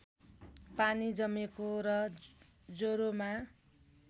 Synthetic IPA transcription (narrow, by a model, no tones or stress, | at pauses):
panid͡zʌmekoɾʌ | d͡zoɾoma